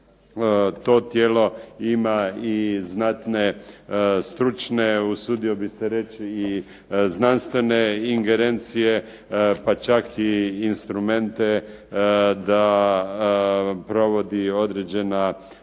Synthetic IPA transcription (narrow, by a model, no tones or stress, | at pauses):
t̪o̞t̪jeːlo̞imaiznat̪ne̞ | st̪ɾut͡ʃne̞usuːd̪iobiseɾe̞t͡ʃi | znanst̪ʋe̞neiŋɡe̞ɾent̪sije̞ | pat͡ʃakʰiːnst̪ɾume̞nt̪e | d̪a | pɾo̞ʋo̞d̪io̞d̪ɾed͡ʒe̞na